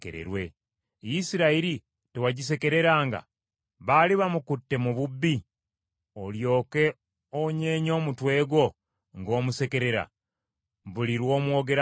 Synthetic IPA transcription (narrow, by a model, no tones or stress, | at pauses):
kḛɾḛɾwe | jisiɾaiɾi | tewaɟis̬e̞ke̞ɾe̞ɾaːŋɡa̰ | βaliβamukutːe̞muβubːi | oljo̞ːke̞ | oɲe̞ːɲo̞ːmutwe̞ːɡwo̞ | ŋɡo̞ːmuse̞ke̞ɾe̞ɾa̰ | βuliɾwo̞ːmwo̞ːɡe̞ɾa